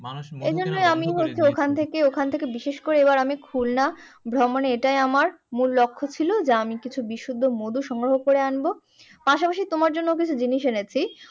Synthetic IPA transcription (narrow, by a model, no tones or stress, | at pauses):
ed͡ʑonːojamiɦotːʰeokʰant̪ʰekeokʰant̪ʰekebiʃeʃkoɾeebaɾamikʰulna | bʱɾɔmoneeʈajamaɾ | mulːokʰːot͡ɕʰilod͡ʑaamikit͡ɕʰubiʃud̪ʱːomod̪uʃɔŋɡɾoɦokoɾeanbo | paʃapaʃit̪omaɾd͡ʑonːok̬it͡ɕʰud͡ʑiniʃenet͡ɕʰi